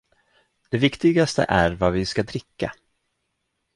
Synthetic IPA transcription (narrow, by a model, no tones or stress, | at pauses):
d̪̥ɛvɪkt̪ɪɡast̪ə̰ʔæɾvavɪskad̪ɾɪkːa̰